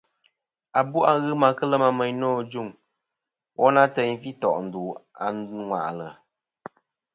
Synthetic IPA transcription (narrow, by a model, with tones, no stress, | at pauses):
a˨bu˦ʔa˦ɣɨ˦ma˨kə˦lə˦ma˦mə˨ɲnɔː˦˨d͡ʒu˦˨ŋ | wʔɔ˦na˦tɛ˨˦ɲfi˦tɔ˨ʔn̩˨du˨a̰˨ŋʷwa̰˨ʔlə˨